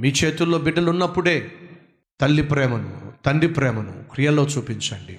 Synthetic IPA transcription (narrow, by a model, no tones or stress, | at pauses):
miːt͡ʃe̞ːt̪ulːo̞ːbiɖɐlunːɐpːuɽe̞ː | t̪ɐlːipɾɛːmɐnṵt̪ɐɳɖipɾɛːmɐnṵkɾijɐlo̞ːt͡ʃuːpiɲt͡ʃɐɳɖḭ